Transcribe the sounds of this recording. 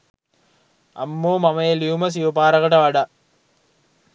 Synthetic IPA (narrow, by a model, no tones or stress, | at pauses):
ɐ̰mːoːmɐmɐjeliumɐs̬iʋupaːɾɐɣɐʈɐʋɐɖa